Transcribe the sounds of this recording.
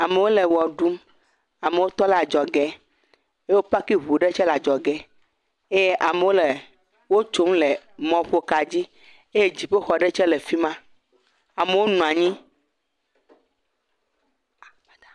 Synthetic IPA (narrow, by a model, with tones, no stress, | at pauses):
a˨me˨wo˦le˨wɔ˨ɖu˦m | a˨me˨wo˦t̪ɔ˦la˨d͡ʒɔ˨ɡɛ˦ | e˦wo˦pa˦ki˦ɦu˨ɖe˦t͡ʃɛ˦la˨d͡ʒɔ˨ɡɛ˦ | e˦je˦ʔa˨me˨wo˦le˨ | wo˦t͡ʃo˦mle˨ | mɔ̃˨ɸo˦ka˨d͡ʑi˦ | e˦je˦d͡ʑi˨ɸe˦xɔ˨ɖe˦t͡ʃɛ˦le˨fi˦mã˦ | a˨me˨wo˦nũ˨a˨ɲĩ˦